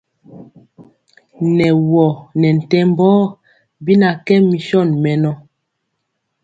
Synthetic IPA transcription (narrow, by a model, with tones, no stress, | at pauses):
nɛ˨wɔ˨nɛ˨n̩˨tɛ˦m˦bɔː˦ | bi˦na˨kɛ˦mi˨ʃɔ˦˨nmɛ˨nɔ˦